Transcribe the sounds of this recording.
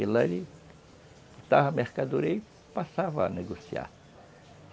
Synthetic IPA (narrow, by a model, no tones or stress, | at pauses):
ilɐli | t̪aɦɐmeɾkad̪uɾej | pasavɐaneɡosia̰ɾ